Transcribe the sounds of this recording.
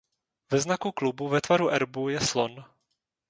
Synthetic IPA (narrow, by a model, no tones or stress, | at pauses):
vɛznakuklubuvɛt̪vaɾuʔɛɾbujɛslon